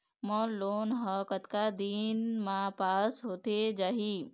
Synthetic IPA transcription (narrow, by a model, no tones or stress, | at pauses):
mɔnloːnɦəkət̪kad̪inmãpaːsɦot̪ed͡ʒaːɦi